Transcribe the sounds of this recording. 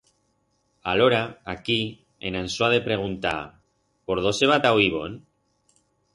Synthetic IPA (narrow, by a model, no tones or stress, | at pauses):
aloɾaaki | ḛnansoaðepɾeɣ̞unt̪a̰ | poɾð̞oseβat̪awiβon